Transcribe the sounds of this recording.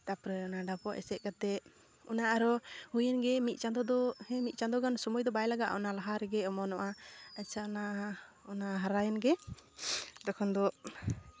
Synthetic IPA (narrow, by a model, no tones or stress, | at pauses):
t̪apɾɛɔnaɖapɔʔɛ̰sɛʔ̪̚ˀkat̪ɛ | ɔ̰naʔaɾɔhujɛnɡɛmit̪̚ˀt͡ʃand̪ɔd̪ɔhɛ̃mit̪̚t͡ʃãnd̪ɔɡansɔmɔjd̪ɔbajlaɡaʔɔnalaɦaɾɛɡɛɔmɔnɔʔaat͡ʃʰaɔna | ɔnaɦaɾajɛnɡɛ | d̪ɔkʰɔnd̪ɔ